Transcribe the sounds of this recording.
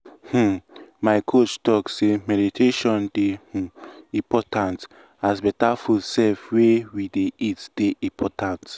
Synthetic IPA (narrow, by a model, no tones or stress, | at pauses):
h̩maɪkʰot͡ʃtɔksemɛditʰeʃɔ̃ndeh̩ĩpɔtʰãnt | asbɛtafudsɛlfwewideʔitd̥eʔĩpʰɔtãnt